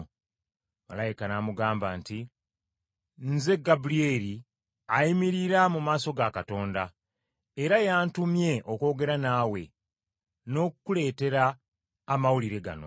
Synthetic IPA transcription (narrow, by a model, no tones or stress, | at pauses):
ma̰lajikanamuɡaːmbaːnti | nze̞ɡabulieɾi | ajimiɾiɾamumaːso̞ɡakato̞ːnda | eɾajaːntumje̞ʔo̞ko̞ːɡe̞ɾanaːwe̞̰ | no̞ːkkule̞ːte̞ɾaː | mawuliɾe̞ɡa̰no̰